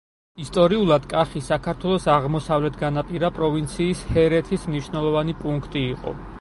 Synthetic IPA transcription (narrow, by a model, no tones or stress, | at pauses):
ist̪ʼɔɾiulˠad̪kʼaχisakʰaɾt̪ʰwɛlˠɔsaʁmɔsavlɛt̪ʰɡanapʼiɾapʼɾɔvint̪sʰiːshɛɾɛt̪ʰismniʃwnɛlˠɔvanipʼuŋkʰt̪ʼiːqʼɔ̰